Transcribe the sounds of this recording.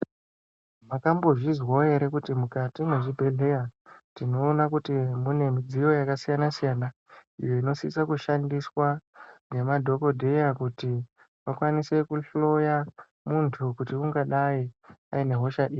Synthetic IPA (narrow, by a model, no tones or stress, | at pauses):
makambo̞ʐizwae̞ɾe̞kutimukatine̞ʐibʱe̞ɮe̞jatino̞ːnakutimune̞mid͡zijo̞jakasijanasijana | ḭjo̞ino̞siisakuʃandiswaɡemadʱo̞ko̞dʱe̞jakuti | ʋakwanise̞kuɬo̞ja | muntʰukutiuŋɡaɗaia̰ine̞ɦo̞ʃaʔiːi